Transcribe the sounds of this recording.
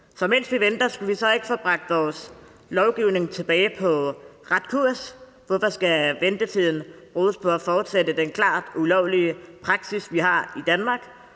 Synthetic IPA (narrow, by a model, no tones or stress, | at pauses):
sɒ̽men̰sʋiʋend̥ɐsɡ̥uʋisɒ̽e̝ɡ̥ə̥fɒːb̥ʁɑ̈ɡ̥̚d̥ʋɒːs | lɒʊɡ̥iʊne̝ŋt͡sʰe̝b̥ɛːɪpʰɒ̽ʁad̥kʰuɐ̰s | ʋɒfɒ̽sɡ̥æʋend̥ət͡sʰið̞̰ˠn̩ | ʁoːðˠəspʰɒ̽æfɒːd̥sedəd̥enkʰlɑ̰̈ːd̥ulɒʊliəpʰʁɑ̈ɡ̥sisʋiɦɑ̈id̥ænmɑ̈ːɡ̥